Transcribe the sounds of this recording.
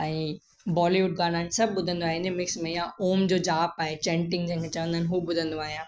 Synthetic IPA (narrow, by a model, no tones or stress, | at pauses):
ɛ̃ | bɔːliʋʊʈ̚ɡãːnaːnsɐb̚bʊd̪ʱə̃nd̪oaːɦẽnd̪emɪksmẽjãoːmd͡ʑoːd͡ʑaːpaːɦet͡ɕẽːɳʈɪ̃ŋɡd͡ʑɐ̃ːŋkʰẽt͡ɕɐʋə̃nd̪aːnɪ̃ɦubʊd̪ʱə̃nd̪oaːɦijãː